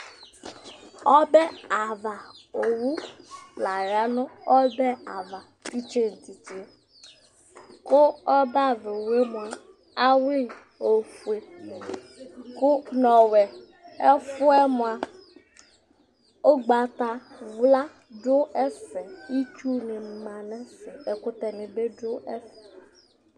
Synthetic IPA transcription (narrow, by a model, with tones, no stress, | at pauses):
ɔ˦bɛ˦a˨va˨o˨wu˦la˨ɾa˦nʊ̃˦ɔ˦bɛ˦a˨va˨ | ti˦t͡ʃe˦n̩˨ti˨t͡ʃe˦ | kʊ˦ɔ˦ba˦˨ve˨o˨we˦m˨a˨ | a˦wi˦˨ | o˨fu˨e˨ne˨kʊ˦nɔ˨wɛ˨ | ɛ˦fʊ˦ɛ˦mʊ˨a˨ | o˦ɡ͡ba˨t̪a˦wla˦ | dʊ˦ɛ˦sɛ˨i˦t͡ʃu˦nɪ˨m˨mã˨nɛ˦sɪ˨ɛ˨kʊ˦t̪ɛ˨nɪ˨be˦dʊ˦ɛ˦sɛ˨